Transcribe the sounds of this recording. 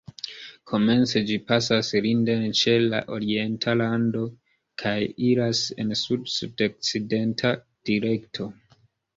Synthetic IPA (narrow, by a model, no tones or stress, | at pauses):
kʰo̞me̞nt͡se̞d͡ʒipasasɾindent͡ʃe̞la̰ʔo̞ɾie̞ntʰalando̞ | kʰajiɾase̞̰nsudsudok̚t͡side̞ntʰa | d̥iɾe̞ktʰo̞